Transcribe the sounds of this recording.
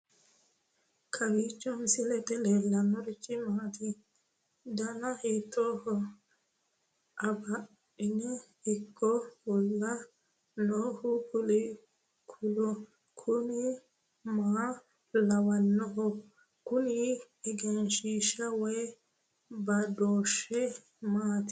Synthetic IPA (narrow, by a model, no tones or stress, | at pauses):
kʰɐwit͡ʃːɔmsɪlɛt̪ɛleːlːɐnːɔɾɪt͡ʃʼːɪmaːt̪i | d̪ɐnɐhɛt̪ːɔːhɔ | ɐbɐ | ɪnɛ | ɪkʰːɔwɔlːɐ | nɔhʊkʊlɪ | kʰʊlɔ | kʰʊnɪ | maː | lɐwɐnːɔhɔ | kʊnɪ | ɛɡɛnʃiʃɐwɔj | bɐd̪oːʃɛ | maːt̪ɪ̥